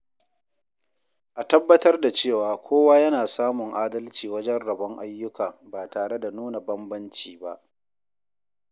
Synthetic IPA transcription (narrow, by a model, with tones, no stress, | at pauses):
ʔa˨tɐ˦bːɐ˦tɐ˦rda˨t͡ʃeː˦˨waː˨kʷoː˦waː˦jɐ˦naː˨saː˦mʊ˨ŋʔaː˦dɐ˦lt͡ʃiː˨wɐ˦d͡ʒɛ˦nɽɐ˨bɐ˦ŋʔa̰˦jːʊ˦kaː˨baː˨taː˨ɽe˦da˨nuː˦na˨bɐ˦mbɐ˦nt͡ʃiː˨ba̰˦ʔ